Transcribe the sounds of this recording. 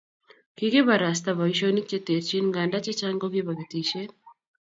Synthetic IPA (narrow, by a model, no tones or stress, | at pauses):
kikeβaɾast̪aβaiʃonik̚t͡ʃeteɾt͡ʃinŋɡandat͡ʃat͡ʃaŋɡoβjeβaβitiʃe